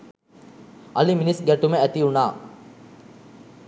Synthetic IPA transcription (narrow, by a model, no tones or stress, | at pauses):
ɐliminisɡæʈuməæt̪iunaː